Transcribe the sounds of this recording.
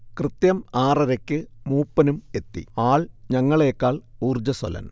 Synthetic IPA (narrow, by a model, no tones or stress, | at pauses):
krɨt̪jɐmaːrɐɾɐkʲːɨmuːpːɐnume̞t̪ːḭaːɭɲɐŋːɐɭeːkːaːɭuːrd͡ʑɐso̰lɐ̰n